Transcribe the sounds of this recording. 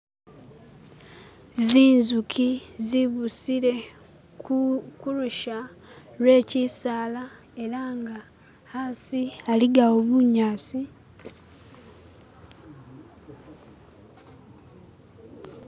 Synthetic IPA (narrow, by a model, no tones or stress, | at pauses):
ziːnzukʰiziβusiɾe̞ | kuluʃa | lwe̞ːcisaːla | e̞ɾaŋɡa | hasialiɡawoβuɲaːsi